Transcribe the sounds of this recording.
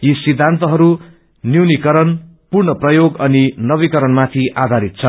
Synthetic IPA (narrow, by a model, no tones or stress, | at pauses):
jisid̪ʱːant̪ʌɦʌɾu | niwnikʌɾʌn | purnʌprʌjoɡʌninʌβikʌɾʌnmat̪ʰiʔad̪ʱaɾit̪̚t͡sʰʌ